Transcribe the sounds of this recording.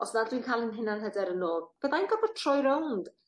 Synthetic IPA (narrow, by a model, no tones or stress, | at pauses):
ɔsnadwinkʰaːlˠənɦɪnanɦədɛɾənoːb̥eðajnɡɔbɔr̥tʰr̥ɔjɾownd̥